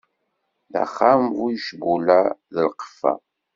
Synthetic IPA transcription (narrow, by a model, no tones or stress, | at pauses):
ðæ̰χːamvujʃbulæðəlqə̥fːæ̰